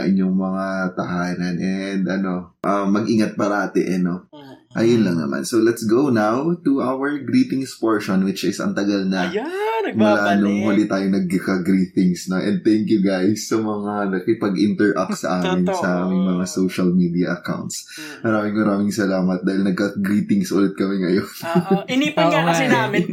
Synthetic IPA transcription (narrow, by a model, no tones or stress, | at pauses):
ʔɪ̰ɲoŋmɐŋat̪ɐhaːnɐnʔɛnd̪ʔɐno̞ʔɐmːɐɡʔiːŋɐt̪̚pɐɾaːt̪ɪ̰ʔɛnoʔɐ̰jʊnlɐŋnɐ̰mʔa̰nsolɛt̪sɡownawt̪uʔawɛɹɡɾiːt̪ɪŋspoɹʃonwɪt͡ʃɪsɐ̰ŋt̪ɐɡalnɐ | mʊlanʊŋhoːlɪt̪aːjonɐɡ̚ɐkɐɡɾiːt̪ɪŋsnoʔɛ̃nd̪̚t̪ɛŋkjʊɡajsːɐmɐŋalɐkɪpɐɡʔɪnt̪ɛɹʔɐ̰k̚sɐ̰ʔaːmɪnsɐʔaːmɪŋmɐŋasowʃɐlmid̪iɐʔɐka̰wnt̪s | mɐɾaːmɪŋmɐɾaːmɪŋsɐlaːmɐt̪̚d̪aːhɪlnɐɡ̚kɐɡɾiːt̪ɪŋsʔolɛt̪̚kɐmɛŋɐjon